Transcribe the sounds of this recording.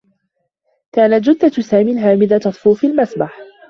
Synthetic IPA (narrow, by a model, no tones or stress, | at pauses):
kaːnat̪̚d͡ʒʊd̪ːasaːmilɦaːmɪd̪at̪ɑt̪ˤfuːfilmasbaħ